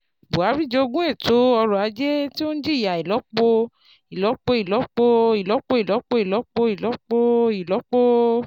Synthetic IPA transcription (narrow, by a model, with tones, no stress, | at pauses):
bo˨a˨˦bɾi˦˨d͡ʒe˧o˧ɡũ˦e˦˨to˨˦ɔ˧ɾɔ˨a˨˧˦d͡ʒe˦ti˦o˦n̩˦d͡ʒi˦˨ja˨i˨lɔ˨˦k͡po˧ | i˨lɔ˨˦k͡po˧i˨lɔ˨˦k͡po˧i˨lɔ˨˦k͡po˧˦i˨lɔ˨˦k͡po˧˦i˨lɔ˨˦k͡po˧i˨lɔ˨˦k͡po˧i˨lɔ˨˦k͡po˦